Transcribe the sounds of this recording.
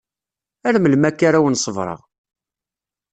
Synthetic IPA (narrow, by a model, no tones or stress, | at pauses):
æɾməlmækːaɾawənsˤəvɾˤə̰ʁ